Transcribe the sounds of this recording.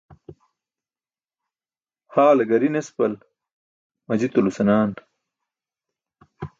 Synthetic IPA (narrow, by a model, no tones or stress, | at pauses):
haːlɐɡɐɾinespɐl | mɐd͡ʑit̪ulusɐnaːn